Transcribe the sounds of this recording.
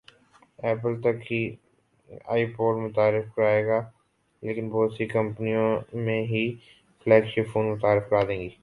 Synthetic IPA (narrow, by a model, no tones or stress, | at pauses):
ɛːpəlt̪ɐkɦi | a̰ːipoːɖmʊt̪aːɾɪfkɐɾaːeːɡaː | leːkɪnbɔːt̪sikɐ̃mpnijõmẽɦi | flɛːkʃɪfʰoːnmʊt̪aːɾɪfkɐɾaːd̪ẽːŋɡiː